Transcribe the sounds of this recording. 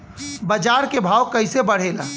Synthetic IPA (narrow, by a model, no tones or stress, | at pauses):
bɐd͡ʒaːɾkebʱaːwkɐɪsebɐɽ̤eːla̰ː